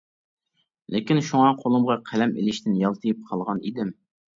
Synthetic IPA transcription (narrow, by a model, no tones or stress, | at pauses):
lɪkʲinʃuŋɑqʰolˠɨmʁɑqʰælɛmḭlɪʃt̪ʰɪnjɑlˠt̪ʰɨjip̚qʰɑlˠʁɑnid̪ɪm